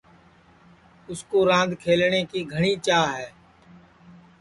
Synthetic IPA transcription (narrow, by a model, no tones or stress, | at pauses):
ʊskoːɾãːnd̪ʱkʰeːlɳeːkiːɡʱəɽ̃iːt͡ʃaːɦɛː